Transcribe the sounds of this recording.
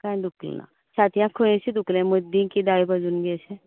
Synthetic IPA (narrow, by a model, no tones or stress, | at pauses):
kãjd̪ukl̰na̰ | t͡ɕat̪jãkʰəẽɕid̪uklẽməd̪ĩnkid̪aibad͡zuːnɡɛɕẽ